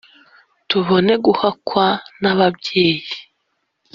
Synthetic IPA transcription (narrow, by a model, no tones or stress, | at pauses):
tuβo̞ne̞ɡuhakwanaβabɟe̞ːji